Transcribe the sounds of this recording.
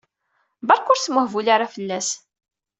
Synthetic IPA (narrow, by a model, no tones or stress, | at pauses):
bɑɾˤkʊɾsməhvulaɾafəlːæs